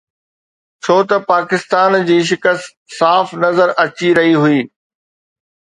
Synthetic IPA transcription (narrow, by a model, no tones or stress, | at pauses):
t͡ɕʰoːt̪ɐpaːkɪst̪aːnd͡ʑiːʃ̬ɪkəst̪ | saːfnɐzəɾʔɐt͡ɕiɾɐɦiɦʊiː